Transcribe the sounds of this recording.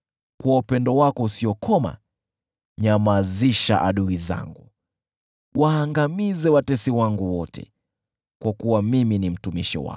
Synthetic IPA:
kuwaupɛndɔwakɔusiɔkʰɔma̰ | ɲamaziʃa̰ʔaɗuiza̰ŋɡu | waːŋɡamizɛwatɛsiwaŋɡuwɔtɛ̰ | kwakuwamiminim̩tumiʃḭwa̰

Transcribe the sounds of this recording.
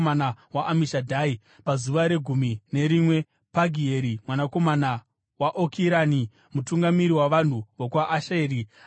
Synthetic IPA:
anawaʔamiʃadʱaːi | pazuʋaɾe̞ɡʱumine̞ɾimwe̞ | paɡʱieɾimwanako̞mana | waʔokʰiɾani | mutuŋɡamiɾiwaʋan̤uʋokwaʔːʃeːɾi

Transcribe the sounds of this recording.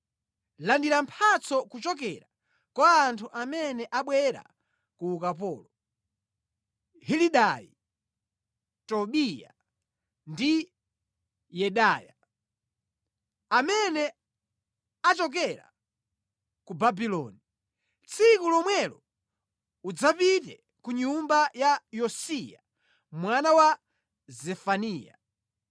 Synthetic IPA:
landiɾampʰat͡sɔkut͡ʃɔk̬ɛɾa | kaːntʰuʔamɛnɛʔaɓwɛɾa̰ | kuːkap̬ɔːlɔ | hiliɗaji | tɔɓija̰ | ndi | jɛɗaja̰ | amɛnɛ | at͡ʃɔk̬ɛɾa̰ | kubabilɔni | t͡sʰikulɔmwɛlɔ | ud͡zapitɛ | kuɲumbajajɔsija̰ | mwanawa | zɛfaniːja̰

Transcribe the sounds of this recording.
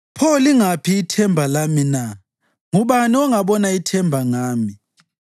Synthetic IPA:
pʰɔliŋapʰiːtʰɛmbʱalamina | ŋuβaniɔŋaɓɔnaitʰɛmbʱaŋaːmi

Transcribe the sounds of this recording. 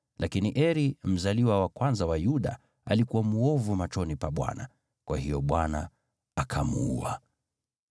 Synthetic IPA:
lʔakiniʔɛɾim̩zaliwawakwanzawajuɗa̰ | alikuwamuɔvumat͡ʃɔnipaɓwa̰na | kwahijɔɓwana | akʰamṵṵa̰

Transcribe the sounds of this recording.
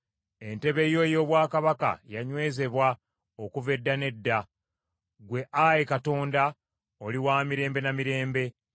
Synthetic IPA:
e̞nte̞βe̞jo̞jo̞ːβwaːkaβaka̰jaɲwe̞ːze̞βwa | okuve̞dːane̞dːa | ɡwe̞ʔajekato̞ːnda | o̞liwaːmiɾe̞ːmbe̞namiɾe̞ːmbe̞

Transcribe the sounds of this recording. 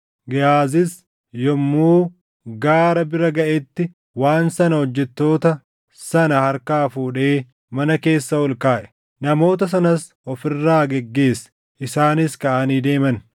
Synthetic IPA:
ɡɛjaːzɪs | jɔmːuː | ɡaːɾɐbɪɾɐɡɐʔɛt̪ːɪ | waːnsɐnɐhɔd͡ʒːɛt̪ːo̞ːt̪ɐ | sɐnɐhɐɾkaːfuːᶑe̞ː | mɐnɐke̞ːsːɐwɔlkaːʔɛ̥ | nɐmo̞ːt̪̬ɐs̬ɐnɐs | ɔfɪrːaːɡɛɡːe̞ːsɛ̥ | ʔɪsaːnɪskɐʔaniːd̪e̞ːmɐn

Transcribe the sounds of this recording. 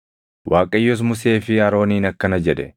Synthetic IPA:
wʔaːkʼɐjːos̬mʊse̞ːfɪɐɾo̞ːniːnɐkːɐnɐd͡ʒɛᶑɛ

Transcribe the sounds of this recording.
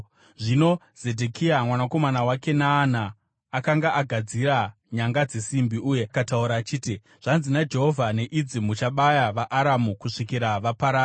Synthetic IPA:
ʐino̞ | z̥e̞dʱekʰiamwanako̞manawake̞naːnaː | kaŋɡaʔaɡʱad͡ziɾa | ɲaŋɡad͡ze̞simbiʔuːje̞akatauɾaːt͡ʃiːti | ʐ̥anzinad͡ʒe̞ɦo̞vʱane̞ʔid͡zimut͡ʃaɓajaʋaʔːɾamukuʂikiɾaʋapaɾa

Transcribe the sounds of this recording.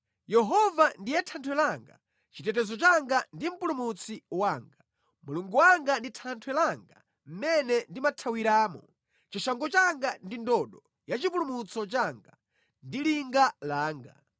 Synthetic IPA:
jɛɦɔvandijɛtʰantʰwɛlaŋɡa̰ | t͡ʃitɛtɛzɔt͡ʃaŋɡandim̩pulumut͡sʰiwaːŋɡa | muluŋɡuwaŋɡanditʰantʰwɛlaŋɡa̰ | m̩mɛnɛndimatʰawiɾaːmɔ | t͡ʃiʃaŋɡɔt͡ʃaŋɡandindɔɗɔ | jat͡ʃip̬ulumut͡sɔt͡ʃaŋɡa̰ | ndiliŋɡalaːŋɡa̰

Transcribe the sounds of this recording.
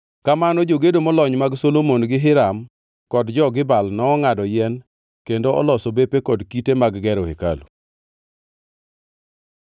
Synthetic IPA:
kamanɔd͡ʒoɡedomɔlɔɲmaɡsolomonɡɪɦɪɾam | kɔdd͡ʒɔɡɪbalnɔːŋadɔjɛn | kendoɔ̰lɔsobepekɔdkitemaɡɡɛɾɔheka̰lṵ

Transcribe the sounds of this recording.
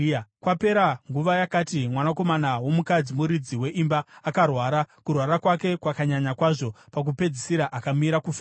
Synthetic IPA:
kwape̞ɾaŋɡuʋajakatimwanako̞manawo̞mukad͡zimuɾid͡ziwe̞ʔimbaːkarwaːɾakurwaɾakwake̞kwakaɲaɲakwaʐo̞pak̬upe̞d͡zisiɾaʔakamiɾakuf

